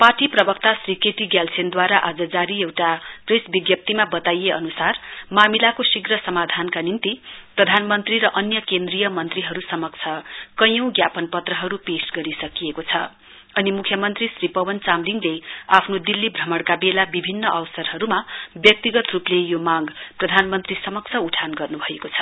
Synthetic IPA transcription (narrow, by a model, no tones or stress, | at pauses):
parʈiprʌbʌkt̪asrikeʈiɡjalsend̪waɾaʔad͡zʌd͡zaɾiewʈapresbiɡjʌp̚t̪imabʌt̪ajeʌnusarmamilakosiɡrʌsʌmad̪ʱankanint̪iprʌd̪ʱanmʌnt̪riɾʌʔʌnjʌkend̪rijʌmʌnt̪riɦʌɾusʌmʌkt͡sʰʌkʌjʌ̃w̃ɡjapʌnpʌt̪rʌɦʌɾupesɡʌɾisʌkijekot͡sʰʌ̰ | ʌnimukʰjʌmʌnt̪risripʌwʌnt͡samliŋɡleapʰnod̪ilːibʱrʌmʌɽkabelabibʱinːʌʔʌwsʌrɦʌɾumabjʌk̚t̪iɡʌt̪ruplejomaɡprʌd̪ʱanmʌnt̪risʌmʌk̚t͡sʰʌuʈʰanɡʌrnubʱʌekot͡sʰʌ̥